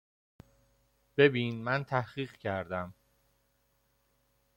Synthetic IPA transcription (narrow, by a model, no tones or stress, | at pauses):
b̥e̞biːnmænt̪ʰæhɢiːɢcʰæɾd̪æm